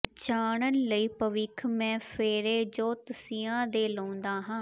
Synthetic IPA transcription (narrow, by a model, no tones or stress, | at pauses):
t͡ʃaːɳənləiːpəʋɪkʰmɛ̃ːpʰeːɾeːd͡ʒoːt̪əsiːãːd̪eːlə̃ːnd̪aːɦãː